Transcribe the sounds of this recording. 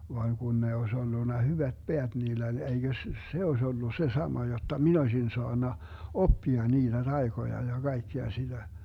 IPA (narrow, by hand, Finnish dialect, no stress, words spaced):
ʋɑːŋ ɡ̊un ne oes olːunːɑ hyʋæt b̥eæt niːlː olʲ eiɡ̊øs s se oes olːu se sɑmɑ jotːɑ min osʲin soɑnːɑ opːiɑ niːd̥æ d̥ɑi̯ɡ̊ojɑ jɑ ɡ̊ɑi̯kːeɑ sid̥æ